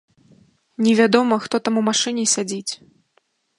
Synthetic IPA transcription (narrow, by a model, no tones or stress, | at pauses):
nʲɛvʲad̪ɔmɐxt̪ɔt̪amumaʂɨnʲɛsʲad͡zʲit͡sʲ